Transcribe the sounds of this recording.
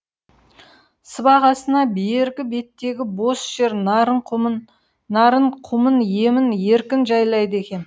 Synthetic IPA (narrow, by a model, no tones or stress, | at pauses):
səbɑʁɑsənɑbeɾɡʲɪbe̞t̪ːe̞ɡʲɪbo̞sʒ̥e̞ɾnɾəɴq | nɑɾəɴqʰʊmənje̞mɪnje̞ɾkʲɪnʒɑjlˠɑjd̪əe̞kʲe̞n